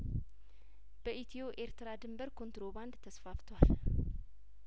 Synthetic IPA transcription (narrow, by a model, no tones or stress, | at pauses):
b̥əʔit̪ʰio̞ʔe̞ɾt̪ɾad̪ɨmbəɾkʰo̞nt̪ɾo̞band̪t̪ʰəsfaft̪ʰwal